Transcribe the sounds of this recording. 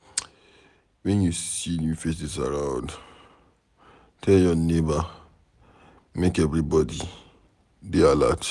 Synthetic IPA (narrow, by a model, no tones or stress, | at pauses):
wɛ̃njusinjufes̬is̬a̰ɹãʊ̃nd | tʰɛljɔneba | mekɛvɹibɔdi | deala̰t͡ʃ